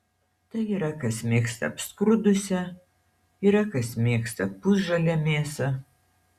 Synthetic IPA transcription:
t̪ɐiɾɐkɐsmʲeːkst̪ɐ̰ːpskɾʊd̪ʊsʲɛ | iɾɐkɐsmʲeːkst̪ɐpːʊsʒɐlʲɛmʲeːsɐ

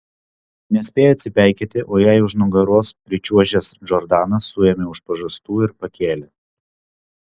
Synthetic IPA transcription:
nʲɛsʲpʲeːjoɐt̪ʲsʲɪpʲæˑɪkʲet̪ʲɪʔoːjɛɪʊʃnʊɡɐɾoːspʲɾʲɪt͡ʃʲuɔʒʲɛsʒɔɾd̪ɑːnɐsːʊjɛmʲɛʊʃpɐʒɐst̪uːɪɾpɐkʲeːlʲɛ

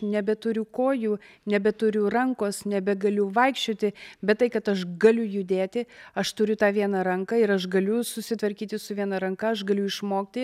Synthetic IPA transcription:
nʲɛbʲɛt̪ʊɾʲʊkoːjuː | nʲɛbʲɛt̪ʊɾʲʊrɐŋkoːsnʲɛbʲɛɡɐlʲʊʋɐɪkʃʲt͡ʃʲoːt̪ʲɪbʲɛt̪t̪ːɐɪkɐt̪ɐʃɡɐlʲʊjʊd̪ʲeːt̪ʲɪɐʃt̪ʊɾʲʊt̪ɑːʋʲiɛnɑɾɐŋkɑːɪɾɐʃɡɐlʲʊsʊsʲɪt̪ʋɐɾʲkʲiːt̪ʲɪsʊʋʲiɛnɐɾɐŋkɐɐʃɡɐlʲʊɪʃmoːkt̪ʲɪ

